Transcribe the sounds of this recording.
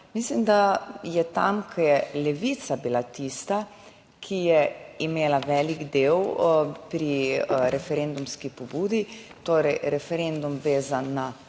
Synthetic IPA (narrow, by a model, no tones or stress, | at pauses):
mislimd̪ajɛt̪amkʰɔjɛlɛʋit̪sabilat̪iːst̪a | kʰijɛimeːlaʋɛːliɡd̪eːwpɾiɾɛfɛɾeːnd̪umskipɔbuːd̪it̪oːɾɛjɾɛfɛɾend̪umʋeːzanːa